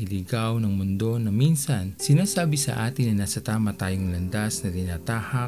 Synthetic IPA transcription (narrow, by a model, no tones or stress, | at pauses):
ʔɪliɡawnɐŋmʊnd̪o̞nɐminsɐnsɪnaːsaːbɪsɐ̰ʔaːt̪ɪnɐnaːsɐt̪aːmɐt̪aːjoŋlɐnd̪asnɐt̪ɪnaːt̪aːhɐ